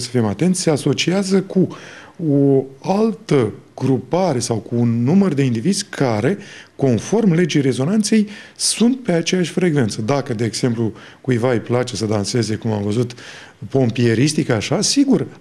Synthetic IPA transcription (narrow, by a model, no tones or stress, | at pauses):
sə̥fimat̪e̞nt̪sʲse̞aso̞t͡ʃiazəku | oalt̪əɡɾupaɾe̞sawkuːnːumərd̪e̞ind̪ivid̪zʲkʰaɾe̞ko̞nfo̞rmle̞d͡ʒejre̞zo̞nant̪se̞jsunt̪̚pe̞at͡ʃe̞jaʃʲfɾe̞ɡve̞nt̪səd̪akəd̪e̞ːɡz̥e̞mplu | kujvajplat͡ʃe̞səd̪anse̞ze̞kumamvəzut̪ | po̞mpie̞ɾist̪ikaʃasiɡur